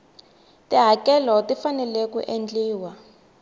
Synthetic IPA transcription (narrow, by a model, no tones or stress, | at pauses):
tiɦakɛlɔtifanɛlekṵʔend͡ɮiːwa